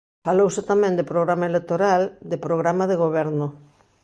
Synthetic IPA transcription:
falowsɪt̪amɛ̃nd̪epɾoɣɾamaelek̚t̪oɾald̪epɾoɣɾamaðeɣoβ̞ɛɾnʊ

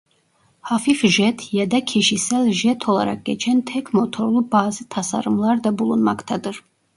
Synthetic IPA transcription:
hafifʒɛt̪ʰjɛd̪ɛkʰiʃisɛlʒɛt̪ʰɔlˠa̰ɾa̰k̚ːɛt͡ʃʰɛnt̪ʰɛkʰmɔt̪ʰɔɾlˠubaːzit̪ʰasa̰ɾumlˠaɾd̪abulˠunmakt̪ʰad̪ɨɾ

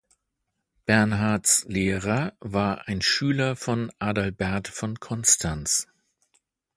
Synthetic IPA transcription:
b̥ɛɐnɦaɐtsleːʁɐvaːɐʔaɪnʃyːlɐfɔnʔaːdalbɛɐtfɔnkʰɔnstʰans

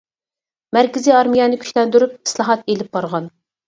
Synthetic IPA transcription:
mæɾkʲɪziɑɾmijɛnɪkʲʰy̥ʃlɛnd̪yɾyp̚ɨ̥slˠɑɦɑt̪elɪp̚bɑɾʁɑn

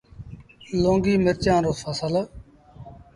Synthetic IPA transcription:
lõːŋɡiːmɪɾt͡ʃãːɾoːsaːsəla

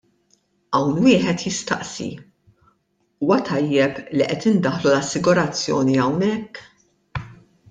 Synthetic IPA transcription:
ɐwnwɪːħɛt̪jɪst̪ɐʔsḭ | uːwɐt̪ʰɐjːɛpliʔɛt̪ɪnd̪ɐħlulɐsːɪɡʊɾɐt͡sːjɔ̰ːniɐwnɛkː

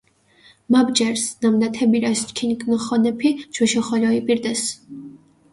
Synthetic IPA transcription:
mabd͡ʒɛɾsnamd̪at̪ʰɛbiɾaskʰinkʰʼnχɔnɛpʰit͡ʃʰwɛʃɛχɔlɔipʼiɾd̪ɛs

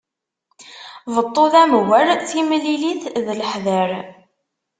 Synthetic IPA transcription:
vət̪ˤːoðæmwəɾθimliliθðləħðəɾ

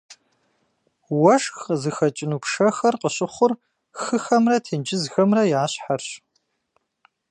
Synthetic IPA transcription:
wɐʂxzɨxɐt͡ʃʼɪnuːpʰʂɐxɐrqəɕʼʊχʷʊr | xɨxɐmrɐtʰeːnd͡ʒɪzxɐmrɐjaːɕħarɕ

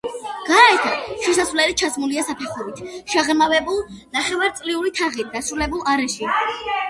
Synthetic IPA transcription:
ɡ̥aɛt̪ʰaʃɛsasvlɛlit͡ʃʰasmuliasapʰɛχɔbit̪ʰʃaʁmavɛbulˠ | naχɛvaɾt̪sʼliuɾit̪ʰaʁit̪̚d̪asɾulɛbulˠaɾɛʃi

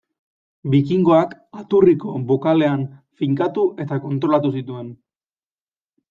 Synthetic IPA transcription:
bikiŋɡo̞ak | at̪uriko̞bo̞kale̞anfiŋkat̪uʔe̞t̪ako̞nt̪ɾo̞lat̪usit̪ue̞n

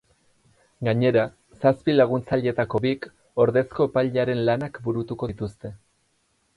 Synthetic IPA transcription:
ɡaɲe̞ɾa | saspilaɣ̞unt͡saʎe̞t̪ako̞βik | o̞ɾðe̞sko̞epaʎaɾe̞nlanakbuɾut̪uko̞it̪ust̪e̞

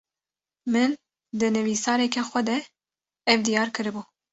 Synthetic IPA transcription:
mɨn | d̪ɨnɨvisɑːɾɛkɛxʷɛd̪ɛ | ɛvd̪ijɑːɾkɨɾɨbuː

